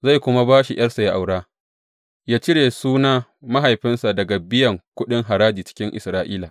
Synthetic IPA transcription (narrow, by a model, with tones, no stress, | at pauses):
za˦˨jkʷʊ˦ma˦baː˦ʃi˨j̰ɐ˦rsa˨ja˦ʔa̰˨wɽaː˦ | jaː˦t͡ʃɪ˦ɽeː˨suː˦naː˦ma˦ɦa˨jɸɪ˦nsa˨dɐ˨ɡa˨bɪ˦jɐ˨ŋkʷʊ˦ɗɪ˦ŋɦa˨ɾaː˦diː˨t͡ʃɪ̥˦kʲɪ˦ŋʔɪ̰˨sɾaː˦ʔiː˦laː˨